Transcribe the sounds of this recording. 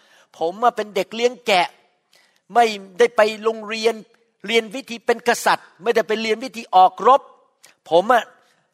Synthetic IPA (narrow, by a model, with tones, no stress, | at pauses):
pʰo˩˦mːa˧˩pe˧nde˨˩k̚li˧˥˩əŋkɛ˨˩ʔ | ma˥˩jdaː˥˩jpa˧jlo˧ŋɾi˧ən | ɾi˧ənwi˦˥t̪ʰiː˧pe˧nka˧sa˨˩t̪̚ma˥˩jda˥˩jpe˧nɾi˧ənwi˦˥t̪ʰiː˧ʔɔː˨˩k̚ɾo˦˥p̚ʰː | o˩˦mʔa˧˩